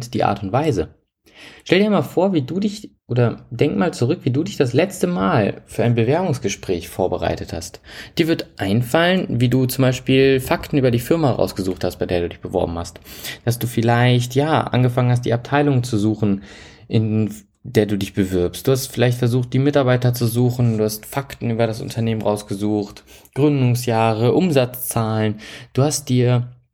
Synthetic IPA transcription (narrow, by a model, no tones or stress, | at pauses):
td̥iːʔa̰ːɐtʊntv̥aɪzə | ʃtɛldiːɐmaːlfoːɐviːduːdɪçʔoːdɐdɛŋkmaːlt͡suʁʏkv̥iːduːdɪçd̥aslɛt͡stəmaːlfyːɐʔaɪnbəvɛɐbʊŋsɡ̥əʃpʁ̥ɛːçfoːɐbəʁa̰ɪtətha̰std̥iːɐvɪɐtʔaɪnfalənviːduːt͡sʊmbaɪʃpiːlfaktn̩ʔyːbɐdiːfɪɐmaəʁa̰ʊsɡ̥əzuːxthast̚b̥aɪdeːɐduːdɪçb̥əvɔ̰ɐbm̩hastd̥asd̥uːfɪlaɪçtjaːʔa̰nɡəfaŋənhas̬td̥ḭːʔap̚tʰaɪlʊŋt͡suzuːxn̩ | ʔɪn | deːɐduːdɪçb̥əvɪɐpstd̥uːhastfɪlaɪçtfɛɐzuːχt̚d̥iːmɪtaɐbaɪtɐt͡suzuːxn̩duːhastfaktn̩yːbɐɾasʔʊ̰ntʰɐneːmənʁaʊsɡ̥əzuːxtɡ̥ʁʏndʊŋsjaːʁəʔʊmzat͡st͡saːlənd̥uːhast̚d̥iːɐ